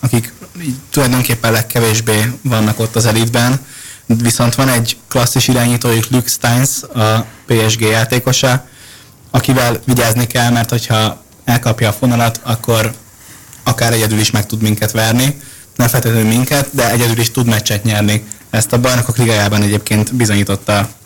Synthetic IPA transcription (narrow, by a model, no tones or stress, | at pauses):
ɒkikiːɟt̪ulɒjd̪oŋkeːpːɛnlɛkːɛveːʒbeːvɒnːɒko̞t̪ːɒzɛlid̪bɛnviso̞nt̪ʋɒnɛɟklɒsːiʃiɾaːɲiːt̪oːjuklykst̪ajnsɒpeːɛʒɡeːjaːt̪eːko̞ʃɒ | ɒkivɛlviɟaːznikɛlmɛrt̪ho̞cʰhɒ | ɛlkɒpjɒːfonɒlɒt̪ɒkʰːo̞ɾ | ɒkaːɾɛɟɛd̪yliʃmɛk̚t̪ud̪miŋkɛt̪ʋɛrni | nɛɱfɛlt̪ʰɛt̪øːmiŋkɛt̪̚d̪ɛɛɟɛd̪yliʃt̪ud̪mɛt͡ʃːɛt̪ɲɛrni | ɛst̪ɒbɒjnokokriɡɒjaːbɒnɛɟeːpkeːnt̪bizo̞ɲiːt̪o̞t̪ːɒ